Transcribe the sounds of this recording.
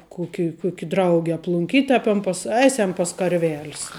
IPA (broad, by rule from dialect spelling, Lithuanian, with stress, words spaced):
ˈkʊkʲɪ ˈkʊkʲɪ ˈdrɐʊɡʲɪ ɐplˠʊŋʲˈkʲiːtʲ ɐ pʲɛm pɐs ˈɐɪsʲɛm pɐs kɐrʲˈʋʲɛlʲs